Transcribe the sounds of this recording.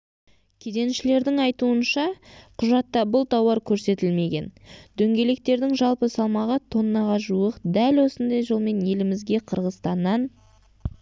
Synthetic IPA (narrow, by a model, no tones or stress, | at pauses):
kʲʰe̞d̪e̞nʃɪle̞ɾd̪ɪŋɑjt̪uənʃɑqʰʊʒɑt̪ːɑbʊlˠt̪ʰɑwɑɾkʲʰɵɾse̞t̪ɪlme̞ɡʲe̞nd̪̥ɵŋɡʲe̞le̞k̚t̪e̞ɾd̪ɪŋʒɑlˠpəsɑlˠmɑʁət̪ʰo̞nːɑʁɑʒuəqd̪ælwo̞sənd̪ɑjʒəlˠme̞nje̞lɪmɪzɡʲe̞qʰəɾʁəzst̪ɑnːɑn